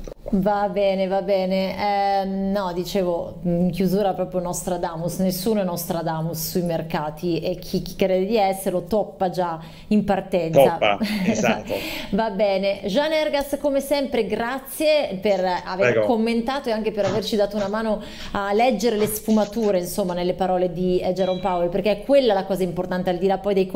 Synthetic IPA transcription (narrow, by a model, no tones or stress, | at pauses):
vabɛːnevabɛːneɛnɔd̪it͡ʃeːvo | iŋk̟juzuːɾapɾɔːpɾjonɔst̪ɾad̪aːmusnesːuːnoɛnɔst̪ɾad̪aːmusːujmerkaːt̪iek̟ʰːik̟ːi̥kːɾeːd̪ed̪iɛsːeɾlot̪ɔpːad͡ʒa | impart̪ɛnt̪soapːzat̪ːovabɛːneʒanːɛrɡaskomesɛmpɾeɡɾat̪sːjepera̰veɛɡkomːent̪aːt̪oeaŋk̟epeɾavert͡ʃid̪aːt̪ounamaːno | alɛd͡ʒːeɾelesfumat̪uːɾeinsomːanelːepaɾɔːled̪id͡ʒeɾompaoliperk̟eɛkwelːalakɔːzaimport̪ant̪eald̪ilapːɔjd̪ejk